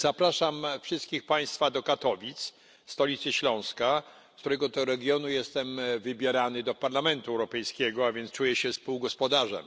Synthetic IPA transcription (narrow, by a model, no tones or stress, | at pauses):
z̥apɾaʂamfʂɘst̪kʲixpaj̃st̪fad̪ɔkat̪ɔvʲit̪s | st̪ɔlʲit̪sɘɕlɔ̃w̃ska | t̪uɾɛɡɔd̪ɔɾɛɡʲjɔnujɛst̪ɛmvɘbʲjɛɾanɘd̪ɔpaɾlamɛnt̪uɛwɾɔpɛjskʲɛɡɔavʲjɛntst͡ʂujɛɕɛspuwɡɔspɔd̪aʐɛ̰m